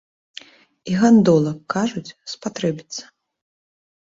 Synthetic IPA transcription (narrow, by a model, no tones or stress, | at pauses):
iɣand̪ɔlˠɐkːaʐut͡sʲspat̪ɾɛbʲit̪sɐ̥